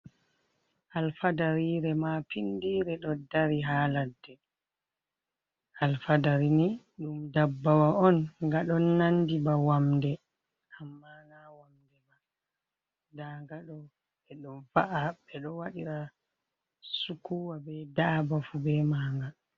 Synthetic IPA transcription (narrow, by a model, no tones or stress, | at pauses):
ʔalfadaɾiːɾɛmapindiːɾɛɗɔdaɾiɦaːladːɛ | ʔalfadaɾini | ɗumdabːawaɔnŋɡaɗɔnːandibawamdɛ | ʔamːanawamdɛma | daŋɡaɗɔ | ɓɛɗɔvaʔaɓɛɗɔwaɗiɾa | sukuwabɛdaːbafubɛmaːŋɡa